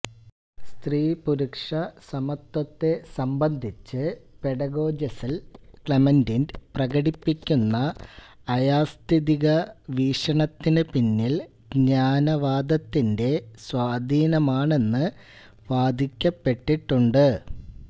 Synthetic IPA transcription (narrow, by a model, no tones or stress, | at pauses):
st̪riːpuɾukʂɐsɐmɐt̪ːɐt̪ːe̞sɐmbɐnd̪ʱit͡ɕːɨpe̞ɽɐɡo̞ːd͡ʑɐsɐlkɭɐmendindprɐɣɐɽipːikʲːunːɐː | jaːst̪iðiɣɐʋiːʂɐɳɐt̪ːinɨpinːil | ɡɲaːnɐʋaːd̪ɐt̪ːinde̞swaːd̪ʱiːnɐmaːɳe̞nːɨ | ʋaːd̪ʱikʲːɐpːe̞ʈːiʈːuɳɖɨ